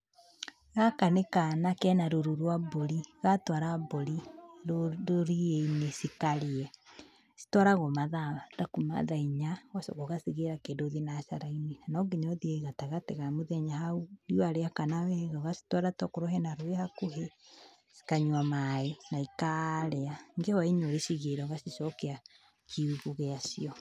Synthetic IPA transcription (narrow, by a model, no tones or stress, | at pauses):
ɣakanekanakɛnaɾoɾuɾwaboɾiɣatwaɾaboɾi | oɾieinesikaɾiɛ | si̥twaɾaɣɔmaðaadakoma̰ðaiɲawaso̰ɣoɣasiɣeɾakedoðinaʃaɾaininanɔɡeɲɔðiɛiɣataɣateɣamoðɛɲahauiwaɾeakanawɛɣaɣasi̥twaɾatɔkoɾɔɦɛnaɾwehakoɦe | si̥kaɲwamaenaikaɾɛaŋɡehɔiɲoɾeʃiɣeɾɔɣasisɔkea | kʰiuɣuɣeasiɔ